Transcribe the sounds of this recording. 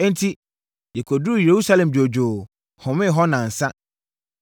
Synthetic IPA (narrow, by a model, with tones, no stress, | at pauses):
ɛ̃˦n̩˦tʰi˦ | jɛ˨kʰo˨du˦˨je˨ɾu˦sa˦lɛ̃˨md͡ʑo˨d͡ʑo˨ | hʊ̃˨mɪ̃˦˨ɦɔ˦nã˨n̩˨sa˦